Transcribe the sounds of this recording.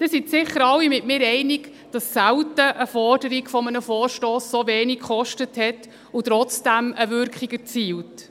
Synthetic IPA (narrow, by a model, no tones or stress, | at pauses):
d̥ɪsitsɪχəɾɑwimɪtmɪːɾɛɪnɪk | d̥ɑssæwtəʔəfɔrdəɾiɡfɔmənəfɔːɾʃtoːssovɛːnikχɔʃtəthɛt | ʊtɾɔt͡sd̥æməvʏɾkχiɡət͡siːwt